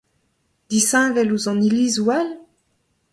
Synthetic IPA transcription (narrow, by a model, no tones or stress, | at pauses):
d̪̥isɛ̃vɛluzɑ̃nilizwal